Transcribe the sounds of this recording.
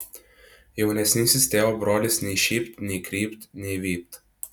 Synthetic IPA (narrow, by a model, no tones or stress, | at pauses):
jɛwnɛsnisist̪ɛːɔbɾɔlisniʃiːpt̪nikɾiːpt̪niʋiːp̚t̪